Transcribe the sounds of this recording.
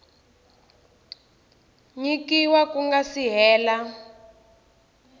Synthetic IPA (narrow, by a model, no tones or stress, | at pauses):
ɲikiwakuŋɡasiɦɛːla